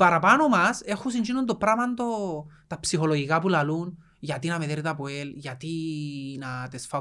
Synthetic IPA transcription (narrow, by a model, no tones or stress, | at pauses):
pɐɾɐpanomɐse̞xus̬ind͡ʒinund̪opɾɐmɐnd̪ot̪ɐpsixoloʝikapulɐlun | ʝɐt̪inɐmeðeɾit̪ɐpoelʝɐt̪inɐt̪esfɐ